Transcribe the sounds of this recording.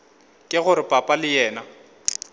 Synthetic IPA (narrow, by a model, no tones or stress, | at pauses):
kʼɪɣʊɾɪpʼapʼalɪjɛːna